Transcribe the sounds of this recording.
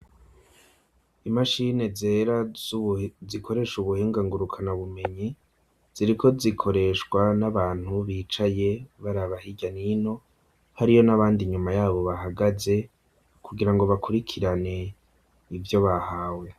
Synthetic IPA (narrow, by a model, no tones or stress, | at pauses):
imaʃine̞zeːɾa | zikʰo̞ɾe̞ʃuβuheːŋɡaŋɡuɾukʰanaβume̞ɲi | z̥iɾikʰo̞zikʰo̞ɾe̞ʃkwanaβaːn̥huβiːt͡ʃaje̞βaɾaβahiɟanino̞ | haɾijo̞naβaːndiɲumajaːβo̞βaɦaɡaze̞ | kʰuɡiɾaŋɡo̞βakuɾikʰiɾane̞ | ivjo̞βahaːwe̞